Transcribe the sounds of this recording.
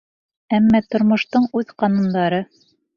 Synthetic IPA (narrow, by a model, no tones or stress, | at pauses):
æmːæt̪ŏɾmŏʃt̪ɤɴʉðqɑnŭnd̪ɑɾɤ